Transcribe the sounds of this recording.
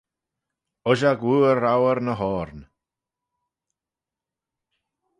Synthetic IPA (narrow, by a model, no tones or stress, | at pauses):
ʊʒaɡwuːəɾawəɾnəɦɔːɾn